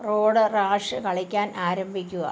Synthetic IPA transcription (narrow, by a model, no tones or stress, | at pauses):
ro̞ːɽɨraːʂɨkɐɭikʲːaːnaːɾɐmbʱikʲːuɣɐ̰